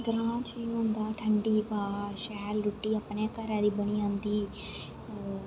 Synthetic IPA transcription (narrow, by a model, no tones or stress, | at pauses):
ɡɾaːt͡ʃʰiːnɐnd̪aːʈʰɐɳɖipaːʃaːlɾuʈːiɐpːɐɳeːkːaːɾaːd̪ibɐniɐnd̪i